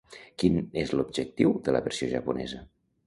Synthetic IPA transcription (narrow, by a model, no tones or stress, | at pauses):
kinezlubʒək̚t̪iwðələ̰βəɾsioʒəpunɛ̰zə